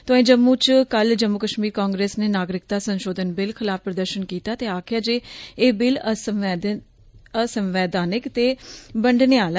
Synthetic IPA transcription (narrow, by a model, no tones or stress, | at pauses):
t̪õẽːd͡ʒəmːũːt͡ʃkəld͡ʒəmːʊkəʃmiːɾkaːŋɡɾeːsneːnaːɡɾɪk̚d̪aːsənʃoːd̪ʱənbɪlkʰɪlaːfpːɾəd̪əɾʃənkiːt̪aːt̪eːaːkʰɪjaːd͡ʒeːeːbɪlə | əsəmʋɛːd̪aːnɪkt̪eːbəɳɖneːaːl